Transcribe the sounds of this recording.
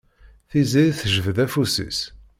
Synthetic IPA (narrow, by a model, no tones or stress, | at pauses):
θiziθʒəvəðæfusḭs